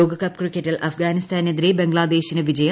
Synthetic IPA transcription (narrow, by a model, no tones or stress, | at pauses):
oːɡɐkɐpkrikʲːetːilʔɐfɡaːnist̪ʰaːned̪iɾebeŋɡɭaːd̪eːɕinɐʋid͡ʑɐjɐ